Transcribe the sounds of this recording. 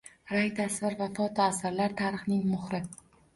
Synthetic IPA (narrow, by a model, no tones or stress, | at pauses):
ɾajt̪ʰasvɪɾvafɒt̪ʰɒasaɾlaɾt̪ʰaɾɨχnɪŋmʊχɾɪ